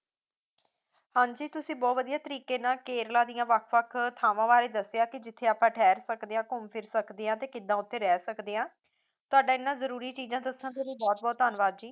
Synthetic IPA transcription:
hãːɲd͡ʒiːt̪ʊsĩːbɔːt̪ʋəd̪ijaːt̪əɾiːkeːnaːkeːɾlaːd̪ɪjãːʋəkʰʋəkʰt̪ʰaːʋãːʋaːɾeːd̪əsejaːkɪd͡ʒɪt̪ʰːeːaːpãːʈʰɛːɾsəkd̪eːãːkʊmpʰɪɾsəkd̪eːãːt̪eːkɪd̪ãːʊt̪ʰːeːɾɛːsəkd̪eːãː | t̪ʊaːɖaːɪnːãːzəɾuːɾiːt͡ʃiːzãːd̪əsãːt̪eɾiːbɔːt̪̚bɔːt̪ːənʋaːd̪d͡ʒiː

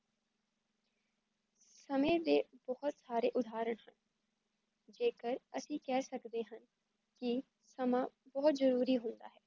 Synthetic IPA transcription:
səmẽːd̪eːbɔɦʊt̪saːɾeːʔʊd̪ʱaːɾəɳ̃hən | d͡ʒeːkəɾəsĩːkɛːsəkd̪eːɦən | kɪ | səmaːbɔːt̪zəɾuːɾiːɦõnd̪a̰ːɦɛː

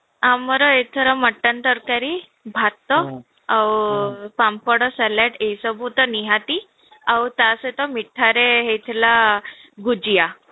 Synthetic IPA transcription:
amːɔɾɔet̪ʰəɾɔməʈːənt̪əɾkaɾi | bʱat̪ːɔ | awpampɔɽɔsaleʈejsɔbʱut̪ɔniɦat̪i | awt̪aset̪ɔmiʈʰːaɾeɦet̪ʰlaɡud͡ʑija

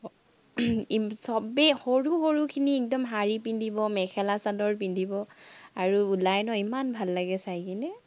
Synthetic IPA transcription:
isɔbɛxoɹuxoɹukʰiniɛk̚dɔmɦaɹipindʱibɔmɛkʰɛlasadɔɹp̬indʱibɔaɹuulajnɔimanbʱalːaɡɛsajkinɛ

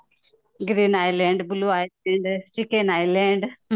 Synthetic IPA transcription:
ɡɾiːnaːjleːɳɖbuluajleɳɖt͡ʃikːenaːjleːɳɖ

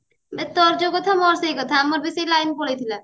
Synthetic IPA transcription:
bet̪ɔɾd͡ʑokɔt̪ʰamɔɾsejkɔt̪ʰaamoɾbesejlajnpoɽet̪ʰila

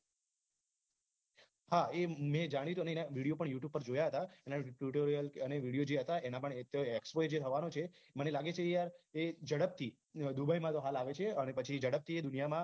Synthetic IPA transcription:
haemɛ̃d͡ʒaɽ̃it̪uəneenaʋiɽijopəɳjuʈjub̚pːəɾd͡ʒojaɦət̪aenaʈuʈoɾijələneʋiɽijod͡ʒeɦət̪aʔenapəɳt̪oekspoed͡ʒet̪ʰəʋanot͡ʃʰe | mənelaɡet͡ʃʰejaɾed͡ʒəɽəp̚t̪ʰi | d̪ubʱəjmãt̪oɦalaʋet͡ʃʰeənepət͡ʃʰid͡ʒəɽəb̚t̪ʰied̪unijamã

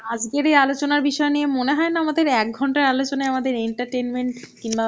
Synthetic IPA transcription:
ad͡ʑɡeɾejalot͡ɕonaɾbiʃɔeniemoneɦɔenaamad̪eɾɛk̚ɡʱɔɳʈaɾalot͡ɕonaeamad̪eɾeɳʈaɾʈenmeɳʈkinba

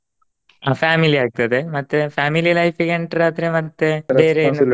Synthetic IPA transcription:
aːfaːmiliaːk̚t̪ɐðemɐt̪ːefaːmililɐjfikɐɳʈɾaːt̪ɾemɐt̪ːeʋeːɾenː

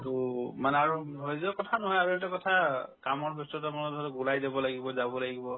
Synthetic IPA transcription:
tumanɛaɹuɦojzɔkɔtʰanɔɦɔjaɹuɛntɔkɔtʰakamɔɹbɔstɔtamanɔdʱɔɹɔɡulajdɛbɔlaɡibɔzabɔlaɡibɔ

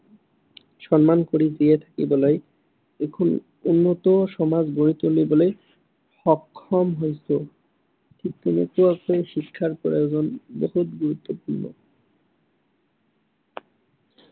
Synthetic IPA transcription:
ʃɔnmankoɾid͡ʑiet̪ʰḁkibɔlej | ekʰon | unːot̪oʃɔmad͡ʑɡoɾit̪olibole | ʃɔkʰːɔmɦojso | t̪ʰik̚t̪emekuakʰoeʃikʰːaɾpɾo̰jod͡ʑonboɦut̪ɡuɾut̪ːopuɾno̰

